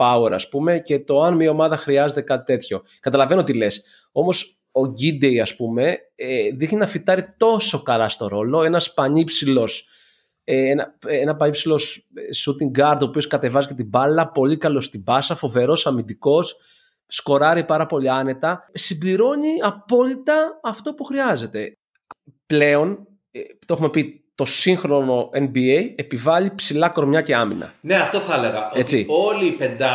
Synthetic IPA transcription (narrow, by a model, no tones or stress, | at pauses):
pɐwe̞ɾɐ̰spume̞ce̞t̪o̞ɐnmio̞mɐðɐxɾiɐze̞t̪e̞kɐt̪i̥t̪e̞t̪ço̞ | kɐt̪ɐlɐve̞noot̪ile̞s | o̞mo̞s | o̞ɟid̪ejɐspume̞ | eðixninɐfit̪ɐɾit̪o̞so̞kɐlɐst̪o̞ɾo̞lo̞e̞nɐspɐɲipsilo̞s | eenɐenɐpɐɲipsilo̞ssut̪iŋɡɐɾd̪opio̞skɐt̪e̞vɐzicet̪ibɐlɐpo̞likɐlo̞st̪ibɐsɐfo̞ve̞ɾo̞sɐmid̪iko̞sː | ko̞ɾɐɾipɐɾɐpo̞liɐne̞t̪ɐsimbliɾo̞ɲiɐpo̞lit̪ɐːft̪opuxɾiɐze̞t̪e̞ | ple̞o̞n | t̪ooxume̞pit̪o̞siŋxɾo̞no̞ʔenbieje̞pivɐʎipsilɐko̞ɾmɲɐce̞ɐmḭnɐ̰neɐft̪oθɐleɣɐʔoe̞t͡siolipend̪ɐ